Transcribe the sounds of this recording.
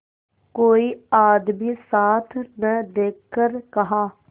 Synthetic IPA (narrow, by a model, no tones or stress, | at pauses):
koːiːaːd̪miːsaːt̪ʰnəd̪eːkʰːəɾkəɦaː